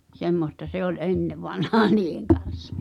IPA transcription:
semːostɑ se ol ʔenːeʋɑnhɑː niːheŋ kɑn̞s

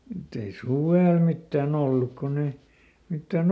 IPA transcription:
mutː ei suʋeˑl mitːæːn olːuk konː ei mitːæˑn

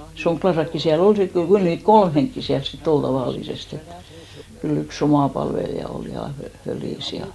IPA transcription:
soŋɡ̊lɑsɑkːi siæl ol sit kyl niːt kolm heŋkːi siæls sitː ol tɑʋɑˑlːisest et kyl yks omɑˑ pɑlʋelijɑ ol jɑ fø føliˑs jɑ

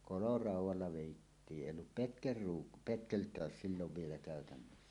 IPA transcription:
kolorɑˑuwˑɑlːɑ ʋeˑitːiː ʔeˑijˑ olːup petkelruːk petkeltˑæːs silːoʋ ʋielæ kæˑøtænːøsːæ

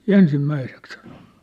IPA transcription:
ensimːæisek sɑ̥n̥o̥n̥ːu̥

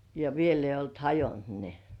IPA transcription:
jɑ ʋiel eijˑ olt hɑjont ne

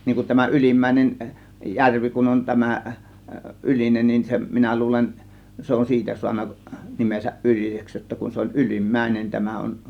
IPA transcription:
niːŋ kun tæmæ ʔylimːæˑe̝nen jærʋi kun on tæmæ ʔylinen nin se minæ luːlen se on siːtæ suɑnːɑ nimesæʔ ʔyliseks jotːɑ kun se olʲ ylimːæinen tæmæ on

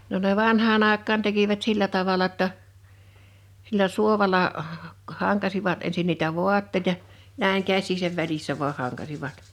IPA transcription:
no ne ʋɑnhɑːn ɑˑekˑɑːn tekiʋæt silːæ tɑʋɑlɑ tːə silːæ suoʋɑlɑ hɑŋkɑsiʋɑt ensin niːtæ ʋuɑtːeĭtɑ næiŋ kæsˑiːsæʋ ʋælisːæ ʋuɑh̆ hɑŋkɑsiʋɑt

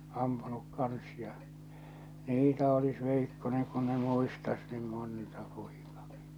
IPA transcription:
ɑmpunuk kɑns jɑ niːtæ olis ʋeikːoneŋ kun ne muistɑs niːm montɑ po̥i̥kɑ̥ki̥

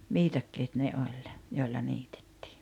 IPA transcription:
ʋiːtɑkːeːt ne olʲ joilːɑ niːte̥tːi̥ː

